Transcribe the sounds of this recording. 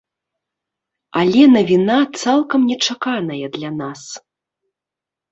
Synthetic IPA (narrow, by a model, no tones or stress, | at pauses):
ɐlʲɛnɐvʲinat̪salˠkɐmnʲɛt͡ʂakanɐjɐd̪lʲanas